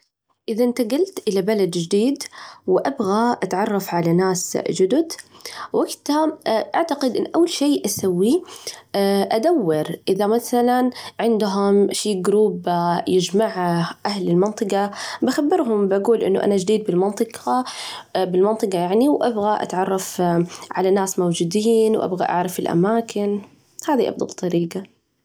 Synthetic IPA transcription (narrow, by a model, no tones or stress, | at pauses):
ʔɪðaʔɪnt̪aɡalt̪ʔɪlabalad̪d͡ʒɪd̪iːd̪wʔabɣaʔat̪ʕɑrˤːɑfʕalanaːsd͡ʒʊd̪ʊd̪waɡt̪aʔaʕt̪aqɪd̪ʔɪnːʔawːalʃeːʔasawːi | ʔad̪awːɪɾʔɪðamaθalanʕɪnd̪ɦʊmʃiːɡɾuːbjɪd͡ʒmaʕaʔahlɪlmɪnt̪ˤɨqɑbaxabːɪɾɦʊmbʔaɡuːlʔɪ̰nːṵʔa̰nad͡ʒd̪iːd̪̚bɪlmɑnt̪ˤɨqɑ | bɪlmɑnt̪ˤɨqɑjaʕniwʔabɣaʔa̰t̪ʕɑrˤːɑfʕalanaːsmawd͡ʒuːd̪iːnwʔa̰bɣa̰ʔa̰ʕɾˤɑfɪlʔa̰maːkɪn | haːðiʔɑ̰bd̪ˤɑ̰lt̪ˤːɑɾiːɡa